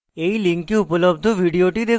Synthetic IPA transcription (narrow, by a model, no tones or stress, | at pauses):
eiliŋkiupələb̚d̪ʱəʋiɽioʈid̪e